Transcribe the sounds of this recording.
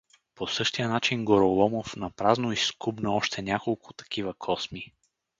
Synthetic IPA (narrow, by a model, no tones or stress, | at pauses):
posɤʃt̪ijənat͡ʃinɡoɾolˠɔmofnɐpɾaznoiskubnəɔʃt̪ɛnʲakolˠkʊ̥t̪ɐ̥k̟ʰivəkʰɔsmi